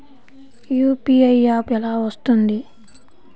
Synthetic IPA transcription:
juːpiːɐjaːpɛlaːʋɐst̪und̪i

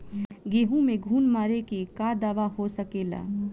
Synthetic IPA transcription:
ɡeɦũmẽɡʱuːnmaːɾekekad̪aːʋaɦosəkela̰

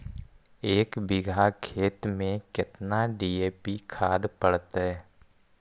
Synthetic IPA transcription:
eːkbɪɡʱakʰeːt̪mẽkɪt̪naɖiːeːpikʰaːd̪pəɽt̪ɦɛː

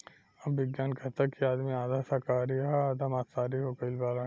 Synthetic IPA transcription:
ɐbːɪɡjaːnkɐt̪ɐkiaːd̪miaːd̪ʱasɐkaːɾiaːd̪ʱamaːt̪saːɾiɦoːkəlbaːla

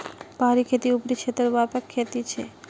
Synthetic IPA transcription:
baɦaɾikʰet̪iupɾit͡ɕʰet̪eɾbapakʰːet̪it͡ɕʰḛ

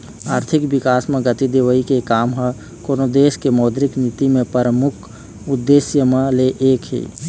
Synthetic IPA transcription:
aːɾt̪ʰɪkbɪkaːsmẽɡət̪id̪eʋəikekaːmɦə | konod̪eːskemɔːd̪ɾɪknit̪imẽpəɾəmʊkʰ | ʊd̪ːesjəmẽleʔeːkɦḭː

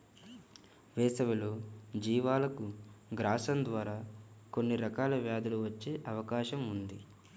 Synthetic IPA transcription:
ʋɛːsɐʋɐlod͡ʒiːʋaːlɐkuɡɾaːʃɐnd̪ʋaːɾaːko̞nːiɾɐkaːlɐʋjaːd̪ɐluʋɐt͡ʃːeːʔɐʋɐkaːʃɐmund̪ḭ

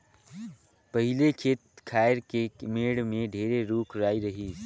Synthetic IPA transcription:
pəɦɪlekʰeːt̪̚kʰaːɪɾkemeːɽmẽɖʱeːɾeɾuːkʰɾaːiɾɐɦi

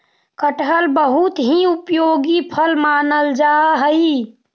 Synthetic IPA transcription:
kəʈəlbəɦut̪ɦiupjoːɡipʰəlmaːnəld͡ʒaɦəi

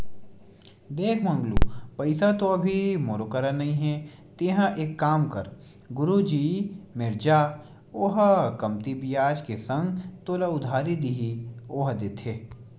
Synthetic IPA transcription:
d̪eːkʰmɐ̃ŋɡlṵːpɐɪsat̪oɐbʱimoːɾokəɾanɐĩɦɛ̃ | t̪eːɦãʔeːkːaːmkɐɾ | ɡʊɾud͡ʒiːmɪɾd͡ʒaː | oɦkɐmt̪ibijaːd͡ʒkesɐ̃ŋɡt̪oːlaʊd̪ʱaːɾid̪ɪɦioːɦd̪eːt̪ʰeː

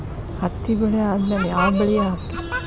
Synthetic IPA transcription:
hɐt̪ːiɡɐɭeaːd̪meːleaːbɐɭijɐaːki

